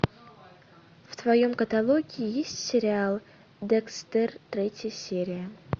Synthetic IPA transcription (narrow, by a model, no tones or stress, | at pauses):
ft̪vɐjomkət̪alˠoɡʲɪɪjesʲtʲsʲɪɾʲɪalˠ | d̪ɛkst̪ɛrt̪ɾʲetʲjəsʲeɾʲɪjə